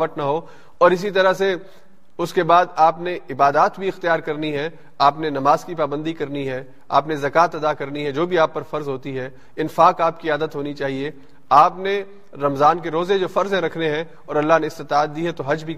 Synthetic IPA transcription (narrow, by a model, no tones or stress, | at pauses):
əʈ̪nɐɦo | ɔːɾɪs̬it̪̬ɐɾəse | ʊskebaːd̪aːpneɪbaːd̪aːt̪bʱiɪxt̪ijaːɾkɐɾniɦɛ | aːpnenɐmaːzkipaːbə̃nd̪ikɐɾniɦɛ | a̰ːpnezɐkaːt̪ɐd̪akɐɾniɦɛd͡ʒoːbʱiaːpːɐɾfɐɾzɦoːt̪iɦɛː | ɪnfaːkaːp̚kiaːd̪ət̪ɦoːnit͡ʃaːɦie | aːpne | ɾɐmzaːnkeɾoːzed͡ʒoːfɐɾzɦɛ̃ɾɐkʰneɦɛ̃ | ɔːɾɐlːaɦneɪst̪ɪt̪aːt̪̚ːiɦɛt̪oɦɐd͡ʒbʱi